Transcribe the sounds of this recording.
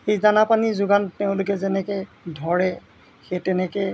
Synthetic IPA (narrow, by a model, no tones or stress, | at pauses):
xejzanapanizʊɡantɛʊ̃lʊkɛzɛnɛkɛ | dʱɔɹɛ | xetɛnɛkɛ